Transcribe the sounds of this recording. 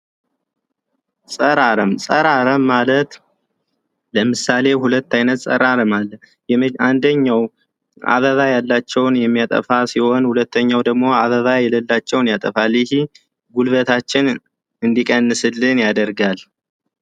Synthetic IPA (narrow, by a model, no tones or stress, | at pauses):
sʼəɾaɾəmsʼəɾaɾəmːalət̪ | ləmɨsale̞hulət̪ːajnət̪sʼə̰ɾaɾəmalːə | jɛand̪əɲːaw | a̰βəðajalːat͡ʃːɛwnjɛmːijat̪ʼə̰fasiho̞nhulət̪ːəɲːawd̪əɡmo̞aβəβajɛləlːat͡ʃːɛwnjat̪ʼəfaljɪhi | ɡulβət̪ʰat͡ʃːɪn | ɨnd̪ikʼənːɨsɨlːɨnjad̪əɾɡal